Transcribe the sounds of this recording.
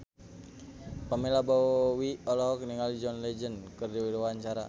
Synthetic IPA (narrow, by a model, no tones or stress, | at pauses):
pamelabawiɔlɔɦɔk̚niŋalid͡ʒɔnlɛd͡ʒənkɨrdiwiɾwaɲt͡ʃaɾa̰